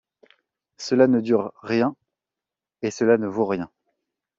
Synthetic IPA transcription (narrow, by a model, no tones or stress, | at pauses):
səlanəd̪yʁːjɛ̃ | esəlanəvoʁjɛ̃